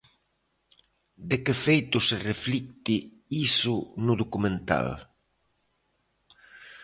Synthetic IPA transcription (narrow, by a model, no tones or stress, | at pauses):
d̪ekefejt̪ʊsereflik̚t̪i | isʊnʊðokumẽnt̪a̰l